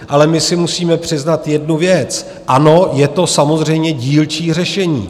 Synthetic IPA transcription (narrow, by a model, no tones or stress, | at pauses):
ʔalɛmɪsɪmusiːmɛpr̝̥ɪznat̪jɛdnuvjɛt͡s | ʔano̞jɛt̪o̞samo̞zr̝ɛjmɲɛɟiːlt͡ʃiːr̝ɛʃɛɲḭː